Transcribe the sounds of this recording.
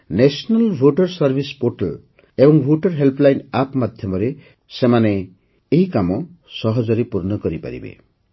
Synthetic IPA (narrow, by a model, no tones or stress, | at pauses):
nesɔnalbʱoʈɔɾsɔɾbʱispoʈal | ebɔŋbʱoʈɔɾɦelplajnapmad̪ʱjɔmɔɾe | semane | eɦikamɔsɔɦɔd͡ʒɔɾepuɾnɔkɔɾipa̰ɾḭbḛ